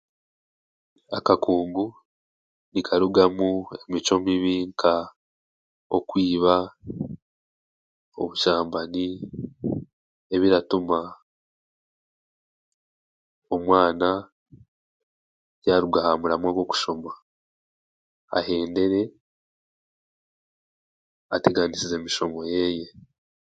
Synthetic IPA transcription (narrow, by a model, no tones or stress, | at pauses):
akakʰuːŋɡu | nikʰaɾuɡamue̞mit͡ʃo̞miβiːŋkʰa | o̞̰kwiːβa | o̞̰βuʃaːmbani | e̞βiɾatuma | o̞mwaːna | jaɾuɡahamuɾamwaɡo̞ku̥ʃo̞ma | a̰he̞ːnde̞ɾe̞ | atiɡaːnisize̞ːmiʃo̞mo̞je̞je̞